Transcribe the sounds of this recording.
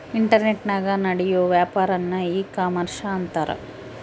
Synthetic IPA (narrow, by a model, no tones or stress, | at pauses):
iɳʈɐɾneʈnaːɡɐnɐɽɛjoːʋjaːpaːɾɐnːɐiːkaːmɐɾʃɐːnt̪ɐɾɐ̰